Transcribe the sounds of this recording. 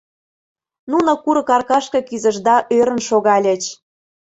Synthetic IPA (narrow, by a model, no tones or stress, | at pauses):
nunokuɾɤ̆kɑrkɑʃkɤ̆kyzə̆ʒd̪ɑʔøɾə̆nʃoɣɑlʲĕt͡ɕ